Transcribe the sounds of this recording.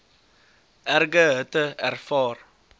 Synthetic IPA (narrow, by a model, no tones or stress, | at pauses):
ʔɛrɡəɦətəærfɑːr